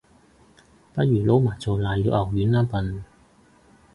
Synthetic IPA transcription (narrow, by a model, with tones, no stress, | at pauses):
pɐ˥t̚jyː˨˩lo˨˥wmaː˨˩jt͡so˨˧laː˨˩jliː˨˧˥wʔɐ˨˩wjyː˨˥nlaː˥pɐ˨˧n